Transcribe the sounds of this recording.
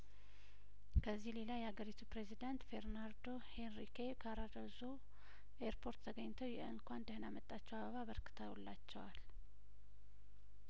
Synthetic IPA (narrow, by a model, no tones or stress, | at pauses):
kʰəzːihle̞lajːɛhaɡəɾit̪ʰupɾezid̪ant̪fe̞ɾnaɾd̪o̞henɾikekʰaɾad̪əzo | ʔeɾpʰo̞ɾt̪t̪ʰəɡəɲːt̪ʰəwjɛɨŋkʷand̪əhɨnamət̪ʼːat͡ʃːɛwaβəβaβəɾkɨ̥t̪ʰəwulːat͡ʃːɛwal